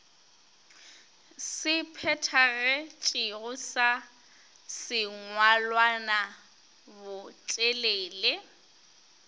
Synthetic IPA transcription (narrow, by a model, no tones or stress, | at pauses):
sɪpʰɛtʰaɣɛt͡ʃʼiɣʊsa | sɪŋwalwana | bʊt͡ʃʼeleːle